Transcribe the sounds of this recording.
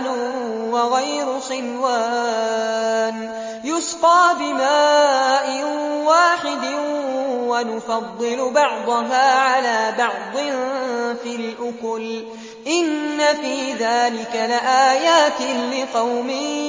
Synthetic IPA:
n | wɑɣajɾʊxɪnwaː | n | jʊsfɑːbɪmaːʔɪwaːħɪd̪ɪ | wanʊfɑd̪ˤːɨlʊbɑʕd̪ˤʊɦaːʕalaːbɑʕd̪ˤɨ | filʔʊkʊl | ʔɪnːafiːðaːlɪkalɪʔaːjaːt̪ɪlɪqɑwmɪ

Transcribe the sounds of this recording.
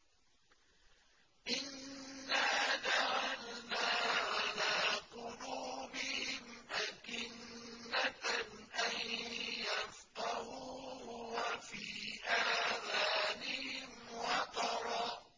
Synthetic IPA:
ʔɪnːaːd̪aɣalnaːʕalaːqʊluːbɪhɪm | ʔakɪnː | a | ʔanjafqɑhuːhʊwafiːʔaːmaːnɪhɪmwɑt̪ɑɾˤɑː

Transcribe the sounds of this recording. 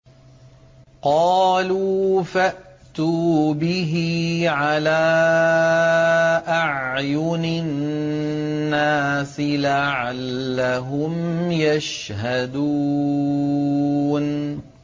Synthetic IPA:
qɑːluːfaʔt̪uːbɪɦɪʕalaː | ʔaʕjʊnɪ | nːaːsɪlaʕalːaɦʊmjaʃ | had̪uː | n

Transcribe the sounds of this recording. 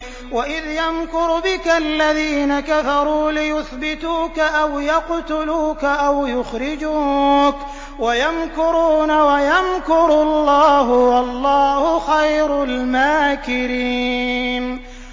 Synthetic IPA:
waʔɪðjamkʊɾbɪkalːaðiːnakafɑɾˤuːlɪjʊθbɪt̪uːkaʔawjaqt̪ʊluːkaʔawjʊxɾɪd͡ʒuːk | wajamkʊɾuːnawajamkʊɾʊlˤːɑːɦʊwɑlˤːɑːhʊxajɾʊlmaːkɪɾiːn

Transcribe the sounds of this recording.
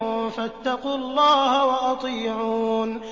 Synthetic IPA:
fat̪ːɑquːɑlˤːɑːhawɑʔɑt̪ˤiːʕuːn

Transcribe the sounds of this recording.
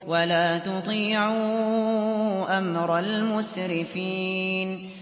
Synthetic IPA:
walaːt̪ʊd̪ˤiːʕu | ʔamɾˤɑlmʊsɾɪfiːn

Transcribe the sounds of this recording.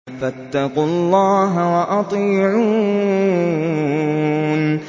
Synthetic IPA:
fat̪ːɑqulˤːɑːɦawɑʔɑt̪ˤiːʕuː | n

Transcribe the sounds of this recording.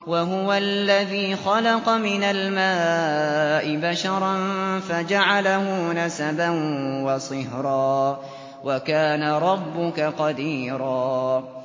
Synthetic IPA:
waɦʊwalːaðiːxɑlɑqɑmɪnalmaː | ʔɪbaʃɑɾˤɑnfad͡ʒaʕalahʊnasabanwɑsˤɨhɾˤɑː | wakaːnaɾˤɑbːʊkaqɑd̪iːɾɑː

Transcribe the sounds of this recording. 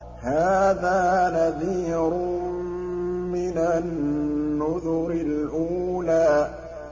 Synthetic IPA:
haːðaːnaðiːɾʊ | mɪnanː | ʊðʊɾɪlʔuːlaː

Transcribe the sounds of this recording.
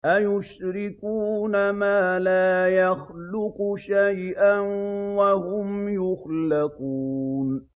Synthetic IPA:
ʔajʊʃɾɪkuːnamaːlaːjaxlʊqʊʃajʔanwaɦʊmjʊxlaquːn

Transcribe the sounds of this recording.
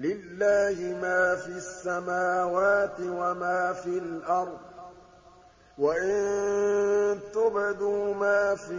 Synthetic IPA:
lɪlːaːhɪmaːfiːasːamaːwaːt̪ɪwamaːfilʔɑɾˤd̪̚ˤ | waʔɪn | t̪ʊbɪd̪uːmaːfi

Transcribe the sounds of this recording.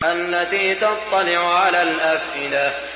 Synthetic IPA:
ʔalːat̪iːt̪ɑt̪ˤːɑlɪʕʊʕalaːlʔafʔɪna

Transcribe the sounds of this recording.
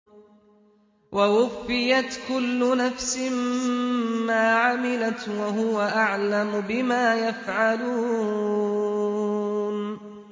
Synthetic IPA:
wʔawʊfːɪjat̪kʊlːʊnafsɪmː | aːʕamɪlat̪waɦʊwaʔaʕlamʊbɪmaːjafʕaluː | n

